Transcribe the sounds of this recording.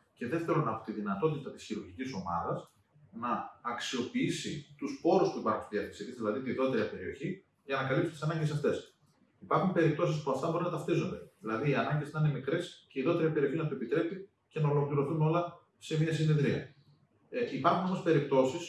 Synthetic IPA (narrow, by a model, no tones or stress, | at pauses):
ce̞ðe̞ft̪e̞ɾonɐpo̥t̪iðinɐt̪o̞t̪it̪ɐt̪i̥sçiɾuɾʝiciso̞mɐ̰ðɐs | nɐːksio̞piisit̪uspo̞ɾuspuipɐɾxunðiɐθɐsit̪izðilɐðit̪iiðo̞t̪eɾiɐpe̞ɾio̞̰çi | ʝɐnɐkɐlipsu̥nt̪isɐnɐɲɟe̞s̬ɐft̪e̞s | ipɐɾxumpe̞ɾip̚t̪o̞sispuɐft̪ɐbo̞ɾinɐt̪ɐft̪izond̪e̞ðilɐðiːɐnɐɲɟenɐinemikɾe̞sceiðo̞t̪eɾiɐpeɾio̞çinɐt̪oepit̪ɾe̞pi | ce̞nɐo̞lo̞kliɾo̞θuno̞lɐ | se̞miɐs̬ineðɾiɐ̰ | ipɐɾxuno̞mo̞spe̞ɾip̚t̪o̞sis